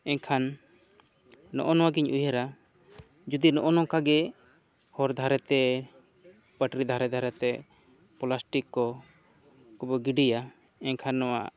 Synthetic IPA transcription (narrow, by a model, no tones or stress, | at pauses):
ɛɲkʰan | ɔ̰ʔɔnɔwaɡiɲʔujaɾa | d͡ʒud̪inɔʔɔnɔkaɡɛ | hɔɾd̪ʱaɾɛt̪ɛ | pəʈɾid̪ʱaɾɛd̪ʱaɾɛt̪ɛ | pɔlasʈikːɔ | kɔbɔɡiɖija | ɛɲkʰanːɔwa̰ʔ